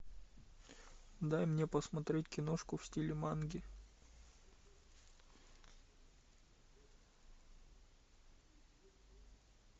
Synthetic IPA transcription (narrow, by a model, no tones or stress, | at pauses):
d̪ajmnʲepəsmɐt̪ɾʲetʲkʲɪnoʂkʊfsʲtʲilʲɪmanɡʲɪ